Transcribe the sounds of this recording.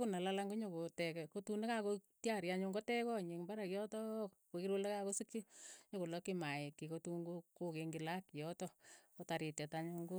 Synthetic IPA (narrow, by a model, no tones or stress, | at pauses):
kunalalaŋɡoɲokotɛkɛkotunekakotjaɾjaɲuŋɡotɛkɔɲikmbaɾakjɔtɔ | kokiɾolekakosikjiɲokolɔkimajekːikotuŋɡokokeŋɡilakjɔtɔkotaɾitɛtaɲuŋɡo